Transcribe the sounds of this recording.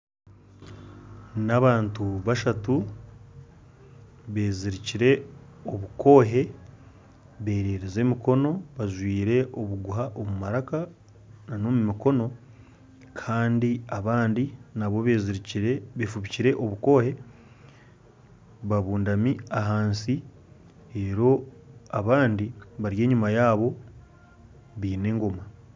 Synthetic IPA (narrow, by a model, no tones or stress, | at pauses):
naβaːntuβaʃatu | βeːziɾiciɾe̞ | o̞βuko̞ːɦe̞ | βe̞ːɾeːɾeze̞miko̞no̞βaʒwiːɾe̞ʔoβuɡuɦaʔomumaɾaka | nano̞mumiko̞no̞ | kʰaːndiaβaːndinaβo̞βeziɾiɾeβeːfuβiciɾe̞ʔoβuko̞ːhe̞ | βaβuːndamiaɦaːnsi | eɾo̞aβaːndiβaɾje̞ːɲumajaːβo̞ | βiːne̞ːŋɡo̞ma